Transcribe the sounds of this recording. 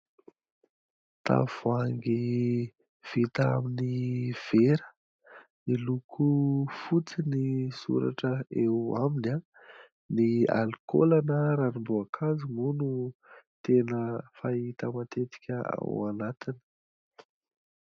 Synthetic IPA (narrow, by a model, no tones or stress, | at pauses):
t̪a̰vaŋɡi | v̥it̪aa̰miniv̥eɾə̥ | nilukʰufut͡sinisṵɾa̰ʈ͡ʂəewamina | nia̰lko̰lanəɾanimbuakʰazimunut̪enəfait̪əmat̪et̪i̥kʲəa̰wanat̪inə̥